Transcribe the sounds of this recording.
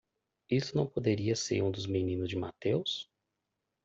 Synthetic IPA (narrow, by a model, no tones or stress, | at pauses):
ist̪ʊnɐ̃w̃pod̪eɾiɐseɾũd̪ʊzmenĩnʊzd͡ʒɪmat̪ews